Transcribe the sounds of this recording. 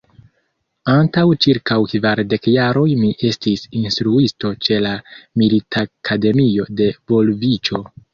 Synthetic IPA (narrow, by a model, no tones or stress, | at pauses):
antawt͡ʃiɾkawkvaɾde̞kjaɾo̞jmiʔe̞stisinstɾuisto̞t͡ʃe̞lamilitʰakʰade̞mio̞de̞vo̞lvit͡ʃo̞